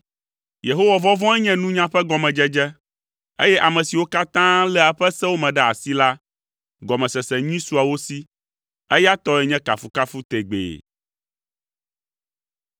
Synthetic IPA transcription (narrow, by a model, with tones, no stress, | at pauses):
je˨ɦo˦wa˨vɔ˦vɔ̃˦ɛ˦ɲɛ̃˦nũ˦ɲã˦ɸɛ˦ɡɔ˨mɛ̃˨d͡ʒɛ˦d͡ʒɛ˦ | e˦jɛ˦ʔa˨mɛ̃˨si˨wo˦ka˦t̪ã˦lɛ˦a˨ɸɛ˦sɛ̃˦wo˦mɛ̃˨ɖɛ˦a˨si˦la˦ | ɡɔ˨mɛ̃˨sɛ˨sɛ˨ɲĩ˦su˦a˨wo˦si˦ | ɛ˦ja˦t̪ɔ˦ɛ˨ɲɛ̃˦ka˨fu˨ka˦fu˦t̪e˨ɡ͡bḛ˨